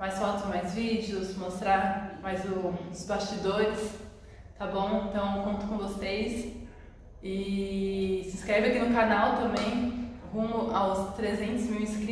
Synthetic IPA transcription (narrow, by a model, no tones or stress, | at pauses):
majsfɔt̪ʊzmajzvid͡ʒɪʊsmost̪ɾaɾmajzʊʊzbast͡ʃid̪oɾɪs | t̪abõw̃ẽnt̪ɐ̃w̃kõt̪ʊ̥kõvosejs | ɪ | sɪ̃skɾɛvɪakinʊkanawt̪ɐ̃mbẽj̃hũʊʔawst̪ɾezẽnt̪ʊzmiwĩskɾi